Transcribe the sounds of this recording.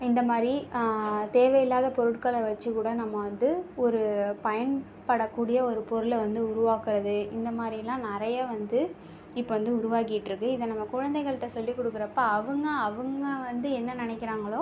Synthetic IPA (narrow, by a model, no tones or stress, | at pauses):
ɪnd̪ɐmaːd̪ɾi | t̪eːʋɐjɪlːaːðɐpɔɾɯʈkɐɭɐʋɐt͡ʃːɯkuːɽɐnɐmːɐʋɐnd̪ɯɔɾɯpɐjɐn | pɐɽɐkːuːɽɪjɐɔɾɯpɔɾɯlʋɐnd̪ɯʊɾʊʋaːkɪɾɐðɯɪnd̪ɐmaːd̪ɾɪlːãːnɪɾɐjaːʋɐnd̪ɯ | ɪpːoʋɐnd̪ɯʊɾʊʋaːkɪʈːɾɯkːɯɪðɐnɐmːɐkʊɻɐnd̪ɛɪɣɐɭɯʈːɐsɔlːikːʊɽɯkːɯɾɐpːaːɐʋɯŋɡɐːʋɯŋɡɐʋɐnd̪ɯɛnːɐnɪnɛkːɪɾaːŋɡɐɭoː